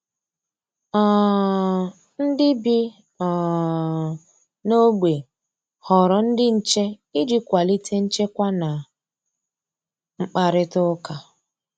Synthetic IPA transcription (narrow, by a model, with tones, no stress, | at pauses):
ɔ˨ | n̩˦dɪ˦bi˦ | ɔ˨ | no˦ɡ͡be˨ | hɔ˨ɾɔ˨n̩˦dɪ˦n̩˦t͡ʃe˦ | ɪ˦d͡ʒɪ˦kʷa˨li˦tʰe˦n̩˦t͡ʃe˦kʷa˦na˨ | ŋ͡m̩˦k͡pa˨ɾɪ˦tʊ˦ka˨